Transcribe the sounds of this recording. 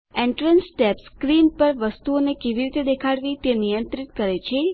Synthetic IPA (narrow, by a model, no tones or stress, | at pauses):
ẽɳʈɾənsʈepskɾinpəɾʋəst̪uonekeʋiɾit̪ed̪ekʰaɽʋit̪enijənt̪ɾit̪kəɾet͡ʃʰe